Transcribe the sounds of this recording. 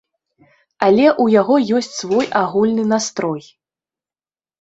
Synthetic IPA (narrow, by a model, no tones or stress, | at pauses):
alʲɛʔujaɣɔjɔsʲt͡sʲsvɔjaɣulʲnɨnast̪ɾɔj